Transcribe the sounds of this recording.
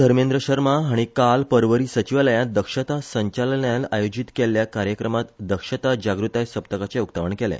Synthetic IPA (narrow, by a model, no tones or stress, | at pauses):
əɾmẽnd̪ɾəɕəɾmaɦaɽ̃ikalpəɾʋəɾiːsət͡ɕiʋləjãt̪̚d̪əkʂət̪asəɲt͡ɕalnjalajod͡ʑit̪kelːjakaɾjəkɾəmat̪d̪əkʂət̪ad͡ʑaɡɾut̪ajsəpt̪əkat͡sɛukt̪əʋəɳkelɛ̰